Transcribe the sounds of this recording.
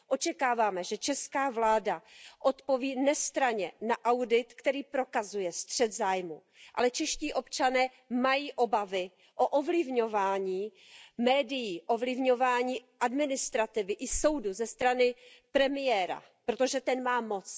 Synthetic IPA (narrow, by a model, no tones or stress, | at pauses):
ʔo̞t͡ʃɛkaːvaːmɛʒɛt͡ʃɛskaːvlaːdaʔo̞t̪po̞viːnɛst̪ɾaɲɛnaʔawdɪt̪kt̪ɛɾiːpɾo̞kazujɛst̪r̝̥ɛd̪zaːjmṵ | ʔa̰lɛt͡ʃɛʃciːʔo̞pt͡ʃanɛː | majiːʔo̞bavɪ | ʔoʔovlɪvɲo̞vaːɲiː | mɛːdɪjiːʔovlɪvɲo̞vaːɲiːʔadmɪnɪst̪ɾat̪ɪvɪʔɪso̞wduzɛst̪ɾanɪpɾɛmɪjɛːɾa̰ | pɾo̞t̪o̞ʒɛt̪ɛnmaːmo̞t͡s